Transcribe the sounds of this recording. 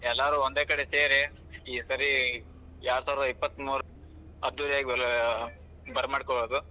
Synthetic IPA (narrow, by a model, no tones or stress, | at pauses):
ɛlːaːɾuond̪eːkɐɽeseːɾi | iːsɐɾi | jaːɾusaːʋɾd̪ɐipːɐt̪ːmuːɾu | ɐd̪ːuːɾijaːɡi | bɐɾmaːɖkɔboːd̪u